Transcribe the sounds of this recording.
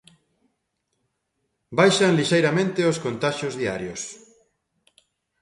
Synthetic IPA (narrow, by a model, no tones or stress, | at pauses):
bajʃanliʃejɾamẽnt̪eoskont̪aʃjozðia̰ɾjos